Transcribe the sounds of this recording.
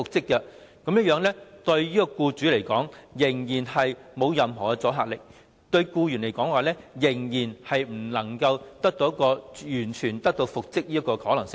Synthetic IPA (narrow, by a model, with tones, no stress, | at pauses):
fʊ˨k̚t͡sɪ˥kːɛ˧ | kɐ˨˥mjɐ˥t̚jœː˨˧ŋnlɛː˥t̪ɵ˧ɥjiː˥kɔ˧kuː˧t͡ʃyː˨˥le˨˩jkɔː˨˥ŋjɪ˨˩ŋjiː˨˩nhɐ˨jmo˨˧wjɐ˨mɦɔ̰ː˨˩kɛ˧t͡sɔː˨˥ɦaː˨˩lɪ˨k̚ | t̪ɵ˧ɥkuː˧jyː˨˩nle˨˩jkɔː˨˥ŋwaː˨lɛː˥jɪ˨˩ŋjiː˨˩nhɐ˨jm̩˨˩lɐ˨˩ŋkɐ˧wt̪ɐ˥k̚t̪o˧˥kɔː˧jyː˨˩nt͡ʃʰyː˨˩nt̪ɐ˥k̚t̪o˧wfʊ˨k̚t͡sɪ˥k̚jiː˥ɐ˥kːɔː˧hɔː˨˥lɐ˨˩ŋsɪ˥ŋ